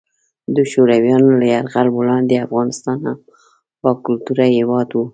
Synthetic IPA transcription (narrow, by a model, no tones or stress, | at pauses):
d̪əʃoɾawjɑnolajaɾɣalbolɑnd̪eafɣɑnɪst̪ɑnham | pɑkʊlt̪uɾahewɑd̪wu